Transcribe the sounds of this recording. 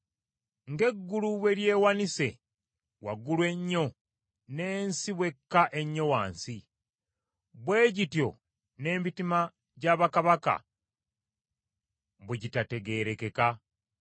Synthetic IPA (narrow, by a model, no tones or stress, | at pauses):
ŋɡe̞ɡːuluβwe̞ɾje̞ːwanise̞̰ | waɡulwe̞ɲːo̞ | ne̞ːnsiβwe̞kːaʔe̞ɲːo̞waːnsi | βwe̞ːɟitjo̞̰ | ne̞ːmitima | ɟaβakaβaka̰ | βuɟitate̞ɡe̞ːɾe̞ke̞ka